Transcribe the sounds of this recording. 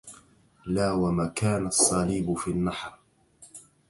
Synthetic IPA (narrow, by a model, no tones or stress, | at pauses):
laːwamaːkaːnasˤːɑːliːbʊfiːanːɑħɾ